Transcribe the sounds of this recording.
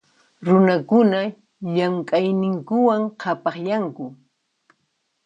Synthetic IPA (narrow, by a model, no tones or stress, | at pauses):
ɾʊnakʊna | jaŋkʼajnɪŋkʊwaŋqʰɑpɑχjaŋkʊ